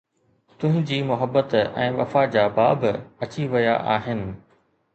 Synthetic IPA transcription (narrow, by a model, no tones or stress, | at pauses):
t̪ʊ̃ɦɪ̃ɲd͡ʑiːmʊɦəbːət̪ɛ̰̃ːʋɐfad͡ʑaːbaːbɪɐt͡ɕiʋɐjaʔaːɦɪnɪ̆